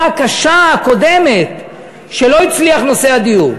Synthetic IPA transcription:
akaʃaako̞de̞met̪ | ʃelo̞it͡sliaχno̞se̞ad̪ijuʁ

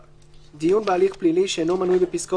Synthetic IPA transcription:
d̪iunbalixpliliʃɛnomanujbepiskɔ

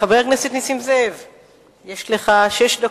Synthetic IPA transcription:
abeknasit̪nisimzev | jeʃleχaʃeʃd̪a

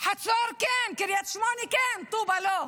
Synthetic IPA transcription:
ħatsɑːɾkeːnkɪɾjat̪ʃmɑːnikeːnt̪uːbalo

